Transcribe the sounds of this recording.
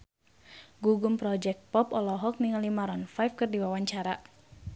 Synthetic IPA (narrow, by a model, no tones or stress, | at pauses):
ɡuɡumpɾɔd͡ʒɛk̚t̪̚pɔpɔlɔɦɔk̚niŋalimaɾɔnfajfkɨrdiwawaɲt͡ʃaɾa